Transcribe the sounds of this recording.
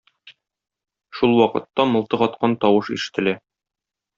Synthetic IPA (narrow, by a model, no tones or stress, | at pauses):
ʃulˠwɒqɤ̆t̪ːɑmŏlˠt̪ɤʁɒt̪qɑnt̪ɒwɤʃiʃɘ̥̆t̪ɘ̆læ